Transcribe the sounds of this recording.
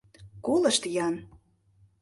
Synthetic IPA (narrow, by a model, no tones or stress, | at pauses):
kolə̆ʃt̪jɑn